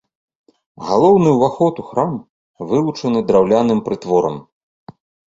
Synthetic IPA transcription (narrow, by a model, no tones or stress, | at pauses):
ɣalˠɔwnɨwvaxɔt̪uxɾam | vɨlˠut͡ʂɐnɨd̪ɾawlʲanɨmpɾɨt̪vɔɾɐ̰m